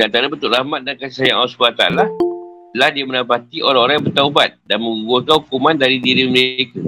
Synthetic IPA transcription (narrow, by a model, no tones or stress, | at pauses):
dəant̪aɾabənt̪ʊʔrahmat̪̚dankasisajaŋʔalsu̥pat̪a̰lah | lahdiamənapat̪iʔoɾaŋoɾajãbərt̪aubat̪̚danmə̃ŋuɡuəkanhukumãndaɾidiɾiməɾeka